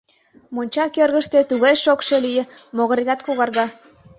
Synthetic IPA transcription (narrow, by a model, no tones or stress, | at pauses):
monʲt͡ɕɑkørɣəʃt̪et̪uɣɑjʃokʃelijemoɣɑɾet̪ɑt̪kuɣɑrɣɑ